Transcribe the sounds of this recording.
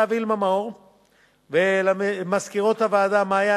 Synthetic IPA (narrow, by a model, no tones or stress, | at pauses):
avilmamaoʁ | velamaskiʁot̪havaːd̪amaːja